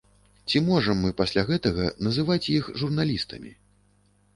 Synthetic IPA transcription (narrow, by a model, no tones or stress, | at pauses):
t͡sʲimɔʐɐmːɨpasʲlʲaɣɛt̪ɐɣɐ̰nɐzɨvat͡sʲjixʐurnalʲist̪ɐ̰mʲḭ